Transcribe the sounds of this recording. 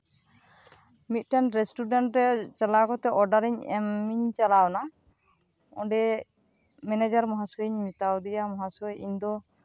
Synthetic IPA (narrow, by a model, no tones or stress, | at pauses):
mit̪̚ˀʈanɾɛsʈuɖaɳʈɾɛt͡ʃalakɔt̪ɛʔɔɾɖaɾiɲɛmːiɲt͡ʃalawna | ɔ̰̃ɖɛ | mɛnɛd͡ʒaɾmɔɦasɔiɲmit̪awd̪ijamɔɦasɔjiɲd̪ɔ